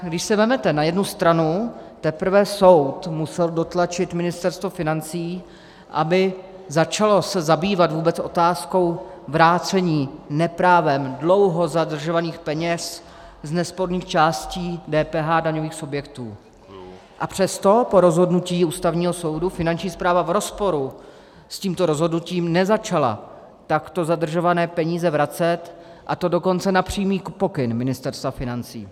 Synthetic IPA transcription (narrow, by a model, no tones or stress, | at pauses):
ɡdɪʃsɛvɛmɛt̪ɛnajɛdnust̪ɾanut̪ɛpɾ̩vɛso̞wt̪musɛldo̞t̪lat͡ʃɪt̪mɪnɪst̪ɛɾst̪vofɪnant͡siː | ʔa̰bɪ | zat͡ʃalo̞sɛzabiːvat̪vuːbɛt͡sʔo̞t̪aːsko̞wvɾaːt͡sɛɲiːnɛpɾaːvɛmdlo̞wɦo̞zadr̩ʒovaniːxpɛɲɛs | znɛspo̞ɾniːxt͡ʃaːsciːdɛːpɛːɦadaɲo̞viːxsubjɛkt̪uː | ʔapr̝̥ɛst̪o̞po̞ɾo̞zɦo̞dnuciːuːst̪avɲiːɦo̞so̞wdufɪnant͡ʃɲiːspɾaːvavɾo̞spo̞ɾu | sciːmt̪o̞ɾozɦo̞dnuciːmnɛzat͡ʃala̰ | t̪akt̪ozadr̩ʒo̞vanɛːpɛɲiːzɛvɾat͡sɛt̪ | ʔat̪o̞do̞ko̞nt͡sɛnapr̝̥iːmiːpo̞kɪnmɪnɪst̪ɛɾst̪vafɪnant͡sḭː